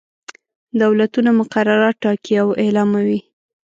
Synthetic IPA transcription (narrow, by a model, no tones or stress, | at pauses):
d̪awlat̪unamʊqaɾaɾɑʈːɑkiawelɑmawi